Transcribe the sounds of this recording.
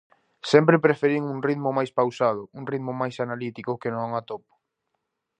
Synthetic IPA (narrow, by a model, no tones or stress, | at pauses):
sɛmpɾɪpɾefeɾiŋuŋriðmʊmajspawsað̞ʊuŋriðmʊmajsanalit̪ikʊkenõŋat̪opo̥